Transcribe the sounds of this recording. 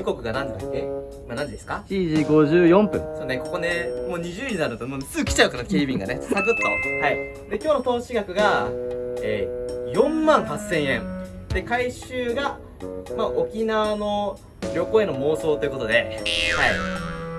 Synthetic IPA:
ɯko̞kɯ̟ɡanãɲdet̪ak̪ːe | manãɲd͡ʑid̪e̞sɨ̥kaɕiːʑiːɡo̞ʑɨːjõ̞mpɯ̟̃ŋsoːneko̞ko̞ne̞mo̞ːɲ̟iʑɨːɲĩnaɾɯ̟not̪omosɨkʲi̥t͡ɕaɯ̟kanakʲeːbʲĩŋɡa̰ne̞ssaɡɯt̪ːo̰hai | d̪e̞kʲo̞ːno̞t̪o̞ːɕiɡakɯ̟ɡa | eːjõ̞mmãɰ̃hasːẽ̞ɰ̃ẽ̞ɴd̪e̞kaiɕɨːɡa | maʔo̞kʲinaβano̞ | ɾʲo̞ko̞ːe̞no̞mo̞ːso̞ːt̪o̞jɯ̟ko̞t̪o̞d̪e̞hai

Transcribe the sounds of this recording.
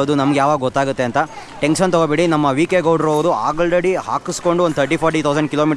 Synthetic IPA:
od̪unɐmɐɡejaːʋaːɡɐɡɔt̪ːaːɡut̪ːe̞ɐnt̪ɐ | ʈenʃɐnt̪ɔɡobeːɽinɐmːɐʋiːkeɡɐwɖɾoːʋɐd̪uaːɡɭɾeɽiɦaːkisko̞ɳɖuond̪̚t̪ʰɐɾʈiːpʰɔːɾʈit̪ʰɐwsɐɳɖkilo̞ːmiːʈ

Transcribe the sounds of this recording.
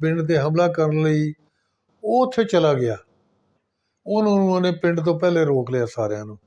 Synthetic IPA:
pɪ̃ɳɖt̪eːɦəmlaːkəɾənləiː | oːʊt̪ʰːeːt͡ʃəlaːɡɪaː | ʊnãːnũːənẽːpɪɳɖt̪õːpɛːleːɾoːklɪjaːsaːɾjãːnũː

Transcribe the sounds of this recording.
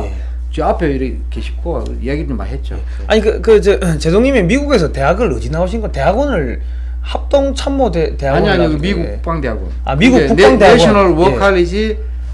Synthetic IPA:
e | t͡ɕiapʰeiɾʌ | kʰeɕʰi̥p̚k͈ʰo | ijaɡima̰ɾɦet̚t͡ɕ͈o̰ | a̰ɲikɯkɯt͡ɕɯt͡ɕe̞dʰoŋɲimemiɡuɡe̞s̬ʰʌte̞ɦaɡɯɾɯd͡ʑinaoɕʰinɡʌte̞ɦaɡʌnɯɭ | hap̚t͈oŋt͡ɕʰammodete̞ɦaɡaɲiaɲikɯmiɡukkːu̥kp͈aŋdeaɡo̰na̰miɡukkpukneaŋdeaɡnʌɾwʌkʰaliɕʰi

